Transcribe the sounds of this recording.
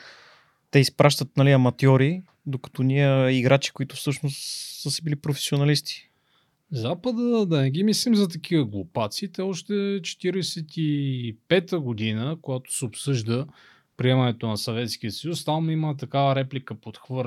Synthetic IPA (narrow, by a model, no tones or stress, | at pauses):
t̪ɛispɾaʃt̪ət̪̚nɐliɐmɐt̪jɔɾi | d̪okɐ̥t̪ɔniəiɡɾat͡ʃi̥kʊit̪ʊfsɤʃnost̪səsɛbilipɾofɛ̥sionɐlist̪i̥ | zapəd̪əd̪ɐnɛɡ̟imislimzɐt̪ɐk̟ivəɡlˠopat̪siːt̪ɛɔʃt̪ɛt͡ʃɛ̥t̪iɾɛsɛt̪ipɛt̪əɡod̪inəkoɡat̪o̥sɛopsɤʒd̪ə | pɾiɛmɐnɛt̪onɐsɐvɛt̪sk̟iəsɐjust̪amimət̪ɐkavəɾɛplikəpot̪xvɤɾ